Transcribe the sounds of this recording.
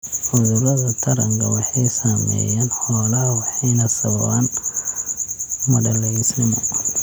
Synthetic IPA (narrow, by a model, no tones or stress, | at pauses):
ħʊðʊɾɐðɐt̪ʰɐɾɐŋkʰɐwɑħɑjsamɛ̰jaːnħɔːlɐhɐwɑħɑjnɐsɐβɐ̰βaːn | mɐɖɐlɛjɪsnɪmɔ̰